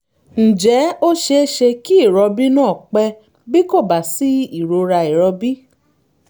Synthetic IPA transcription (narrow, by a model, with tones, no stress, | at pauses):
n̩˨d͡ʒɛ˨˦o˦ʃe˧˦ʃe˧ki˦i˦˨ɾɔ˧bi˦nãː˦˨k͡pɛ˧ | bi˦ko˦˨ba˨si˨˦i˦˨ɾo˧ɾa˧i˨ɾɔ˧bi˦